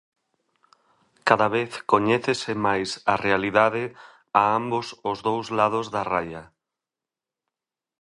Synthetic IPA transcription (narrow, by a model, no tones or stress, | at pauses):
kaðaβeθkoɲɛθesɪmajsarealiðaðɪ | aambʊsʊzðowzlað̞ʊzðarajɐ